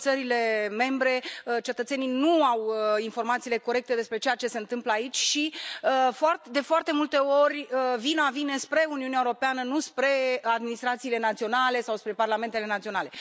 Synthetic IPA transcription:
t̪səɾile̞me̞mbɾe̞t͡ʃe̞t̪ət̪se̞ninuawinfo̞rmat̪siːle̞ko̞ɾe̞k̚t̪e̞d̪e̞spɾe̞t͡ʃe̞jat͡ʃe̞se̞ɨnt̪ɨmpləait͡ʃʲʃiəfoard̪e̞foart̪e̞mult̪e̞o̞rʲəvinavine̞spɾe̞uniuneaewoɾo̞peanənuspɾe̞ad̪minist̪ɾat̪siːle̞nat̪sio̞nale̞sawspɾe̞parlame̞nt̪e̞le̞nat̪sio̞nale̞

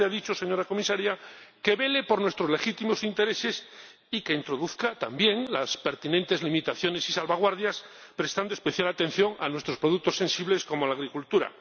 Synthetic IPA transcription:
aðit͡ʃose̞ɲo̞ɾako̞misaɾjake̞βe̞le̞po̞ɾnwest̪ɾolexit̪imo̞sint̪e̞ɾese̞s | ikeint̪ɾo̞ðuθkat̪ambje̞ŋlaspe̞ɾt̪inent̪e̞zlimit̪aθjo̞ne̞sisalβaɣ̞waɾðjaspɾe̞st̪and̪oespeθjalat̪e̞n̟θjo̞ŋanwe̞st̪ɾospɾoðuk̚t̪osensiβle̞sko̞mo̞laɣ̞ɾikult̪uɾa̰

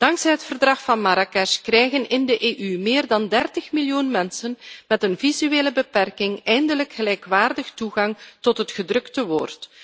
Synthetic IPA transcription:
d̥ɑŋksɛjɦətfərdrɑxfɑnmaɾakɛʃkrɛjɣənɪndəʔeːʔymɪːrdɑndɛrtəxmiljunmɛnsənmɛtənvizyeːləbəpɛrkɪŋɛjndələkxəlɛjkʋaːrdəxtuɣɑŋtɔtɦətχədrɵktəʋoːrt

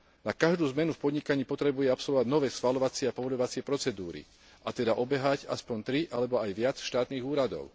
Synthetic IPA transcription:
nakaʒd̪uːzmɛnufpɔd̪ɲikaɲiːpɔt̪ɾɛbujɛapsɔlʋɔʋaɟnɔʋɛːsxʋalɔʋat͡sɪɛapɔʋɔlɔʋat͡sɪɛpɾɔt͡sɛd̪uːɾḭ | ʔat̪ɛd̪aʔɔbɛɦaɟa̰spɔɲt̪ɾiʔalɛbɔajʋɪat͡sʃt̪aːt̪niːɣuːɾad̪ɔ̰ʊ

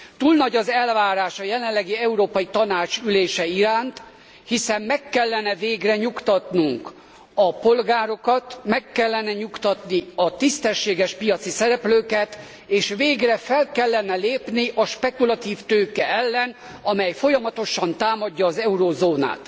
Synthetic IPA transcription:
t̪uːlnɒɟɒzɛlvaːɾaːʃɒjɛlɛlːɛɡiɛuɾoːpɒjit̪ɒnaːt͡ʃyleːʃɛiɾaːnt̪ | hisɛmːɛkːɛlːɛnɛveːɡrɛɲukt̪ɒt̪nuŋk | ɒpo̞lɡaːɾo̞kɒt̪mɛkːɛlːɛnɛɲukt̪ɒt̪niɒt̪ist̪ɛʃːeːɡɛʃpijɒt̪sisɛɾɛpløːkɛt̪ | eːʃveːɡrɛfɛlkɛlːɛnɛleːpniʔɒʃpɛkulɒt̪iːft̪øːkɛɛlːɛn | ɒmɛjfo̞jɒmɒt̪o̞ʃɒnt̪aːmɒɟːɒːzɛuɾozoːna̰ːt̪

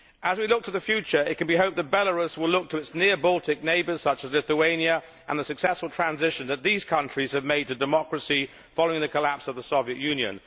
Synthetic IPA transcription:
ʔəzwilʊk̚tʰəðɨfjʉt͡ʃə˞ɪt̚kɨ̃n̩biɦoʊp̚ðət̚b̥ɛlˠəɹʉswɪlʊk̚tʰəɨtsnɪɹbɔlˠtʰɪk̚neɪbə˞z̥sʌt͡ʃəzlɪθəẽɪ̃njɨ | ʔə̰̃nðəsɨksɛsfəl̩ˠtʰɹ̥æ̃nzɪʃɨ̃nðɨt̪̚ðiz̥kʰʌ̃nt͡ʃɹ̥iz̥ɨvmeɪd̚tɨdɨmɑkɹəsi | fɑloʊɪ̃ŋðɨkʰəlæpsʌvðəsɔviɨʔjʉ̃njɨ̰̃n

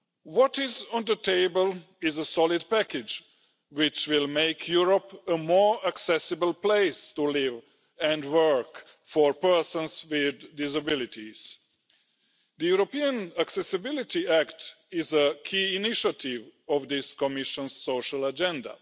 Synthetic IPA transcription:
wɔtɪzə̃nðətʰeɪbəl | ɪzəsɔlɪd̚pækɪd͡ʒ | wɪt͡ʃwɪlˠmeɪkʰjuɹɔpəmɔɹaksɛsɨbəl̩ˠpleɪstulɪv | ɨ̃ndwɜ˞k | fɔɹpɜ˞sə̃nswɪd̪ːɪs̬abɪlɪtʰiz̥ | ðəjuɹopiə̃naksɛsɨbɪlɪtiækt | ɪzəkʰiɪnɪʃət̪ʰɪvɔvðɪskɔmɪʃə̃nz̥ːoʊʃəlˠəd͡ʒɛ̃nda̰

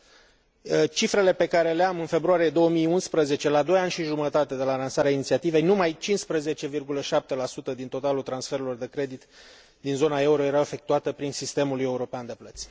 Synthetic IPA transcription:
t͡ʃifɾe̞le̞pe̞kaɾe̞leamɨnfe̞bɾuaɾijed̪o̞wəmiunspɾəze̞t͡ʃe̞lad̪o̞janʲʃiʒumət̪at̪e̞d̪e̞lalansaɾeainit̪siat̪ive̞jnumajt͡ʃinspɾəze̞t͡ʃe̞virɡuləʃap̚t̪e̞lasut̪əd̪int̪o̞t̪alult̪ɾansfe̞ɾelo̞rd̪e̞kɾe̞d̪it̪ | d̪inzo̞nae̞uɾo̞je̞ɾaefe̞k̚t̪uat̪əpɾinsist̪e̞muluje̞uɾo̞peand̪e̞plət̪sʲ

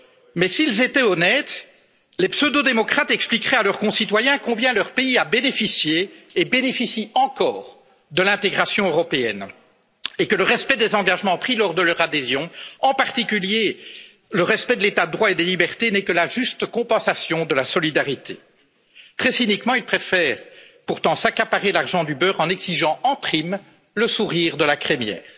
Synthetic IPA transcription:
mɛsilzet̪ɛɔnɛt̪ | lepsød̪od̪emɔkχat̪ɛksplikχɛalœʁkɔ̃sit̪wajɛ̃kɔ̃bjɛ̃lœʁpeiabenefisjeːbenefisiɑ̃kɔ̰ːʁ | d̪əlɛ̃t̪eɡʁasjɔ̃øʁɔpeɛ̰n | ekələʁɛspɛd̪ezɑ̃ɡaʒmɑ̃pχilɔʁd̪əlœʁad̪ezjɔ̃ɑ̃paʁt̪ikʲylje | ləʁɛspɛd̪əlet̪ad̪əd̪ʁwaed̪elibɛʁt̪enɛkəlaʒyst̪kɔ̃pɑ̃sasjɔ̃d̪əlasɔlid̪aʁit̪ʰḛ | t̪χɛsinikmɑ̃ilpχefɛːʁ | puʁt̪ɑ̃sakapaʁelaʁʒɑ̃d̪ybœʁɑ̃nɛɡziʒɑ̃ɑ̃pχim | ləsuʁiːʁd̪əlakχemjɛ̰ːʁ

